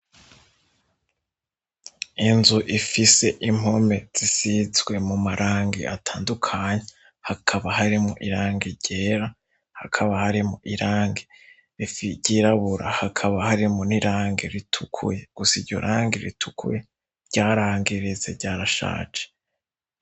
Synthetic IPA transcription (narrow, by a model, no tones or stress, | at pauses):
inzuʔifise̞ʔim̥o̞me̞z̥isizɡwe̞mumaɾʔaːŋɡḭʔatʰaːndukʰaɲe | hakʰaβaɦaɾimuʔiɾaːŋɡiɟeːɾa | hakʰaβahaɾimuʔiɾaːŋɡi | ɾifiɟiːɾaβuɾa̰hakʰaβahaɾimuniɾaːŋɡḛɾitʰukʰṵjeɡ̥usiɾɟo̞̰ɾʔaːŋɡeɾḭtʰukṵje | ɾɟaːɾaːŋɡiɾize̞̰ɾɟaːɾaʃa̰ːt͡ʃe̥